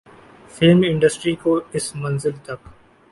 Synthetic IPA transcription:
felmɪ̃ɳɖəsʈɾikoɪsmɐ̃nzɪlt̪ɐk

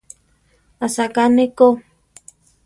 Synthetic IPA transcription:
asakaneko

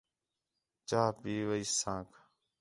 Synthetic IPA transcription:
t͡ʃaːpiːʋəiːsãːkʰ

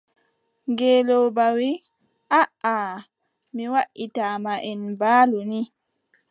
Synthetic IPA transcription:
ŋɡeːlɔbawi | ʔaʔa | miwaʔitamaʔɛnbaːluni

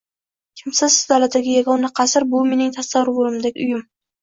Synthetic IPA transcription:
kʲʰɪmsɪzd̪alat̪ːaɡʲɪjaɡɒnaqʰɑsɪɾbʊme̞nɪŋt̪ʰasawɾboɾˠɪmd̪aɡʲɪʊjʊm

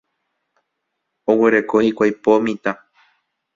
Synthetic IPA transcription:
owe̞ɾe̞koikʷajpomĩt̪a

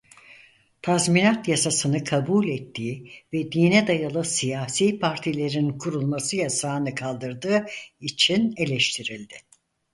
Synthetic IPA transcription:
t̪ʰazminat̪jasasɯnɯkʰabulʲɛt̪ʰːiːvɛd̪iːnɛd̪ajalˠɯsijaːsiːpʰaɾt̪ʰilʲe̞ɾinkʰuɾulˠmasɯjasaːnɯkʰalˠd̪ɯɾd̪ɯːit͡ʃʰine̞lʲɛʃt̪ʰiɾilʲd̪ɪ

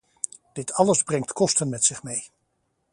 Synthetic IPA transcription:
d̥ɪtʰɑləzbrɛŋtkɔstənmɛtsɪχmej

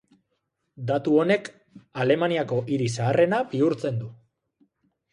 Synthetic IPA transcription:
d̪at̪uo̞ne̞k | ale̞maniako̞ʔiɾis̬aːre̞nabiuɾt͡se̞nd̪u

